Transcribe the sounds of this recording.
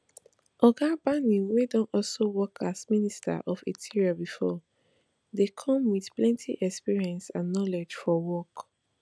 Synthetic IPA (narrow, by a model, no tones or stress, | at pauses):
ʔɔɡabanĩwedɔ̃nɔlsowɔkʰasminista̰ʔɔfetʰiɹiabifɔ | dekʰɔ̃mwiθplɛ̃ntʰḭʔɛkspiɹiɛ̃nsãnːɔled͡ʒfɔwɔk